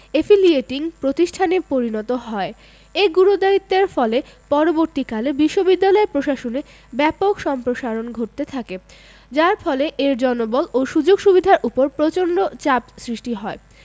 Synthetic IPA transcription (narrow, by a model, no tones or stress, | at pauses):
efilieʈiŋpɾot̪iʃʈʰanepoɾinɔt̪oɦɔe | eɡuɾud̪ait̪ːeɾfɔlepɔɾoboɾt̪ikalebiʃːobid̪ːalɔepɾoʃaʃone | bɛpokʃɔmpɾoʃaɾonɡʱoʈ̚t̪et̪ʰake | d͡ʑaɾfɔleʔeɾd͡ʑɔnobɔloʃud͡ʑoɡʃubid̪ʱaɾʔupoɾpɾot͡ɕonɖot͡ɕapsɾiʃʈiɦɔe